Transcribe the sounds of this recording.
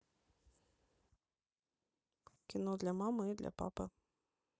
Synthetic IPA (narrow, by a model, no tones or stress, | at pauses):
kʲinɔd̪lʲɐmamɨid̪lʲʔɐ̰pa̰pɨ